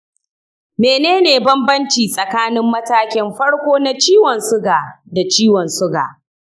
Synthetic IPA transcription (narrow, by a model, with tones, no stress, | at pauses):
meː˨neː˦neː˨bɐ˦mbɐ˦nt͡ʃiː˨sʼɐ˨kaː˦nɪ˦mːɐ˦taː˦kʲɪ˦mɸɐ˦ɽkʷoː˦na˦t͡ʃiː˦wɐ˨nsʊ˦ɡaː˨da˨t͡ʃiː˦wɔ˨nsʊ˦ɡa̰ː˨